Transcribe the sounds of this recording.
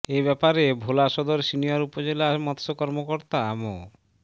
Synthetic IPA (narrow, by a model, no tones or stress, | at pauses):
eβɛpaɾebʱolaʃɔd̪oɾsinijaɾupod͡ʑelamɔt̪sokɔɾmokoɾt̪aamo̰